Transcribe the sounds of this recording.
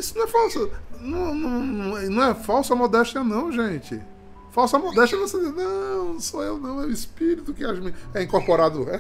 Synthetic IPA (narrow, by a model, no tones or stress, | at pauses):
isʊnɐ̃ɛfawsɐnɐ̃w̃nɐ̃w̃ñɐ̃nɐ̃w̃ɛfawsʊɐmod̪ɛʃt͡ʃɐnɐ̃w̃ʒẽt͡ʃɪ̰ | fawsɐmod̪ɛʃt͡ʃɐvosed̪enɐ̃ñsoewnɐ̃w̃ɛʊispiɾit̪ʊkɪaʃmiɛĩŋkoɾpoɾad̪ʊɛ